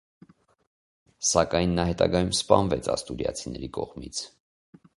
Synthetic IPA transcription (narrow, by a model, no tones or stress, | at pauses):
sɑkɑjnːɑhɛt̪ɑɡɑjumspɑnvɛt͡sʰɑst̪uɾjɑ̰t͡sʰinɛɾikɔʁmit͡sʰ